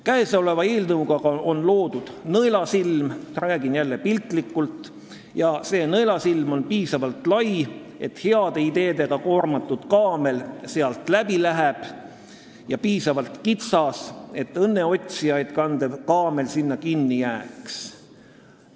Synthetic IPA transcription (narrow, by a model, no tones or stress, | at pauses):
kæeso̞le̞vɑiːlnɤwɡ̥ɑɡ̥ɑʔo̞nlo̞ːd̪̥ud̪̥nɤjlɑsilmræːɡinjælːe̞pilt̪ˑlikːˑult̪ | jɑse̞ːnɤjlɑsilmo̞npiːsɑvɑlt̪lɑj | e̞t̪heɑd̪̥e̞id̪e̞ːd̪̥e̞ɡ̥ɑko̞ːrmɑt̪ːˑud̪̥kɑːme̞lse̞ɑlt̪læbilæɦeb̥ | jɑpiːsɑvɑlt̪kit̪sɑse̞t̪ːɤnːe̞o̞t̪ʲsijɑjd̪̥kɑnd̪ekɑːme̞lsinːɑkinːijæːks